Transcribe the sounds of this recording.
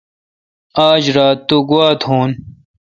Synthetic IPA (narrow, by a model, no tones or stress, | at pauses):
aːd͡ʑɾaːt̪ːuɡwaːt̪huːn